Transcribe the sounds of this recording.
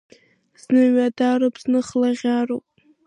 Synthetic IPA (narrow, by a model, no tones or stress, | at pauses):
z̥nɨɥadarɨpʰznɨχlaʁʲaropʼ